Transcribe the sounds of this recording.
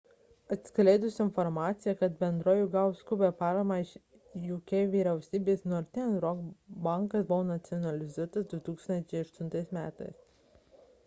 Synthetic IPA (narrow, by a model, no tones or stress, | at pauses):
ɐt̪ʲsʲklʲɛɪd̪ʊsɪnfɔɾmɑːt̪sʲɪjɛkɐt̪bʲɛnd̪ɾoːjʊɡɐʊskʊbʲɛpɑːɾɐmɑɪʃ | jukʲɛʋʲiːɾʲɛʊsʲiːbʲeːsnʊɐɾʲt̪ʲɪnʲɛnɾɔɡbɑˑŋkɐsbʊʋoːnɐt̪sʲɪɔnɐlʲɪzuɔt̪ɐsd̪ʊt̪uːkst̪ɐnʲt͡ʃʲɛɪɐʃt̪ʊnt̪ɐɪsmʲæ̰ːt̪ɐ̰ɪs